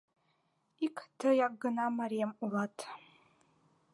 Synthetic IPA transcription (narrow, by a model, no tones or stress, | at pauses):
ikʼʰdʰɨjaɡɨnamaɾijamulatʰʼ